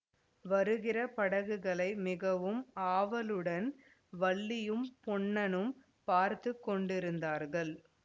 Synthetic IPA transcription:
ʋɐɾɯɣɪrɐpɐɽɐɣɯɣɐɭɐɪmɪɣɐʋɯmaːʋɐlɯɽɐn | ʋɐɭːɪjɯmpɔɳːɐnɯm | paːɾt̪ɯkːɔɳɖɪɾɯnd̪aːɾɣɐɭ

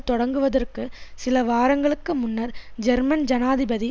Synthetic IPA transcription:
t̪ɔɽɐŋɡɯʋɐðɐrkɯsɪlɐʋaːɾɐŋɡɐɭɯkːɯmʊnːɐɾd͡ʒɛɾmɐnd͡ʒɐnaːðɪbɐði

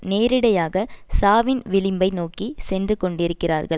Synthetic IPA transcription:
neːɾɪɽɐjaːɣɐsaːʋɪnʋɪlɪmbɐɪnoːkisɛndrɯkɔɳɖɪɾɯkːɪraːɾɣɐɭ

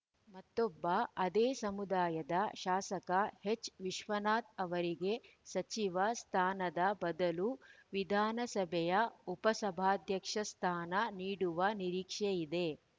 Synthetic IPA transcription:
mɐt̪ːobːɐɐd̪eːsɐmud̪aːjɐd̪ɐʃaːsɐkɐhet͡ʃːʋiʃʋɐnaːt̪̚ɐʋɐɾiɡe̞sɐt͡ʃiʋɐst̪ʰaːnɐd̪ɐbɐd̪ɐluʋid̪ʱaːnɐsɐbʱɛjɐupɐsɐbʱaːd̪ʱjɐkʂɐst̪ʰaːnɐniːɽuʋɐniɾiːkʂejid̪e̞

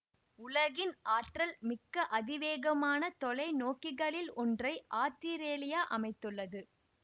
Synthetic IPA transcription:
ʊlɐɣɪnʔaːʈrɐlmɪkːɐʔɐðɪʋeːɣɐmaːnɐt̪ɔlɐɪnoːkɪɣɐɭɪlɔndrɐɪʔaːt̪iɾeːlɪjaːʔɐmɐɪt̪ːɯɭːɐðɯ

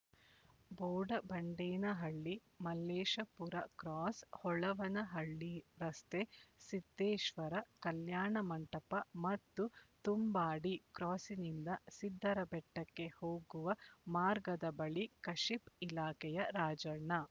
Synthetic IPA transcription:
boːɖɐbɐɳɖeːnɐɦɐɭːi | mɐlːeːʃɐpuɾɐkɾaːshɔɭɐʋɐnɐɦɐɭːiɾɐst̪esit̪ːeːʃʋɐɾɐkɐljaːɳɐmɐɳʈɐpɐmɐt̪ːut̪umbaːɽikɾaːsinind̪ɐsid̪ʱːɐɾɐbɛʈːɐkːe̞hoːɡuʋɐmaːɾɡɐd̪ɐbɐɭikɐʃipilaːkɛjɐɾaːd͡ʒɐɳɐ

